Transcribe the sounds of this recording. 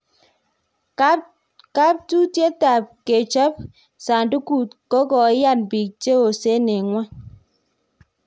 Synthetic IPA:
ka˦p̚tu˦tje˦ta˨p̚ke˨t͡ʃə˦p̚ | sa˨n˨du˦ku˦˨t̚kɔ˦kɔ˨e˦ja˦˨t̚bi˨k̚t͡ʃe˦o˨se˦ne˨ŋwa˦n

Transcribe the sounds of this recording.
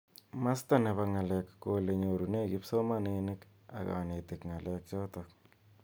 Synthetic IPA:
ma˦sta˦˨ne˨βa˧ŋa˨lɛ˨kːo˨le˨ɲo˨ɾu˨ne˦ɡɪ˦pso˦ma˦nenɪ˦k | a̰˨ɣa̰˨ne˨tɪ˨kŋa˨lɛ˦k̚t͡ʃɔ˦tɔk̚

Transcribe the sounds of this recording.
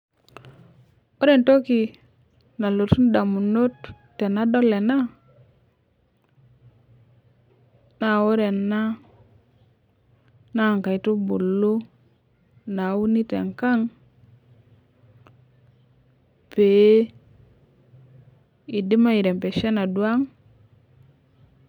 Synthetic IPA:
o˦ɾe˨nto˦ki˨ | na˨lo˨tu˦n˦da˨mu˨no˦tː | e˨na˦do˦lːe˨na˦ | na˨o˦ɾe˨nːa˦ | na˦˨ŋka˨i˨tu˦bu˨lːu˦ | na˨˦wu˦ni˦tḛ˨ŋka˦ŋ | pe˨˦ | i˨di˦ma˦i˨ɾe˨mpe˨ʃe˦na˨du˨a˦ŋ

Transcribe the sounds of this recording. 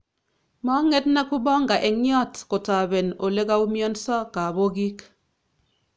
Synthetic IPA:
mɔ˦ŋɛ˦tna˦ku˦bɔ˦ŋɡa˨ʔɛ˨ŋjɔ˦tko˨ta˨bɛ˨no˨le˦ka˦u˦mjɔ˦nsɔ˦ka˨bo˦ɡi˦k

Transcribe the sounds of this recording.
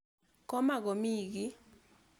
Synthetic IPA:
kɔ˦ma˦˨ɡɔ˨mi˦˨ɡi˦

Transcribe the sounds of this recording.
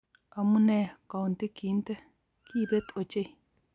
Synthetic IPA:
a˨mu˦nɛ˨ka˨wu˨nt̪e˦ki˨˦n˦tɛ˦ | ki˦˨bɛ˦to˨t͡ʃe˦˨

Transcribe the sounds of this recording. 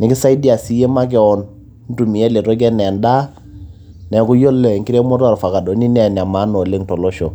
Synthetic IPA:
nɪ˨kɪ˦sa˦i˦di˦a˨si˦je˦ma˦k̬ɛ˨ɔ˨n | n˦tu˨mi˨ɛ˦le˨tɔ˦k̬ɛ˦nɛ˨nda˦ | nɛ˨kʊ˦jo˦lɛ˨ŋki˦ɾe˦mɔ˦ta˨ɾfa˨ka˨dɔ˨˦ni˦nɛ˨n˨a˨ma˨˦nɔ˨le˦ŋtɔ˨lɔ˦ʃɔ˨

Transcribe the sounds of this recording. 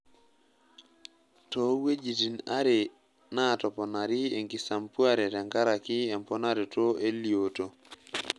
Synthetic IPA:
tɔ˨we˦d͡ʒi˨ti˨na̰˦ɾe˨ | na˦tɔ˨pɔ˨na˨ɾi˦e˨ŋɡi˨sa˨mpu˦a˦ɾɛ˨tɛ˨ŋɡa˦ɾa˨ki˦ɛ˨mpɔ˦na˦ɾe˨to˦e˦lio˨to˨

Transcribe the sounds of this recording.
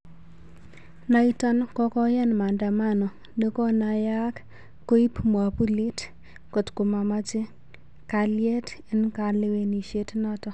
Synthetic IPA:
na˦i˦tɔ˦nkɔ˦kɔ˦jɛ˦nma˨nda˨ma˦nɔ˨ | de˦kɔ˦na˨ja˦k | ko˦i˦pmwa˨pu˦li˦t | ko˨tko˨ma˨ma˦t͡ʃɪ˦ | ka˨lje˦ti˦nka˨le˦we˨ni˨ʃe˦tnɔ˦tɔ˦

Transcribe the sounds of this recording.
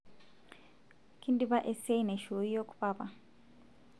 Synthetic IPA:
kʰi˦ndiβa˦ʔe˦se˦ine˨ʃo˨ji˦jo˦ku̥βaβa̰˨

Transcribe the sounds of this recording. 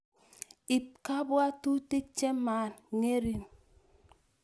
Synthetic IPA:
i˨p̚ka˦bwa˦tu˦ti˦t͡ʃe˦ma˨˦˨n˨ŋe˦ɾi˦n

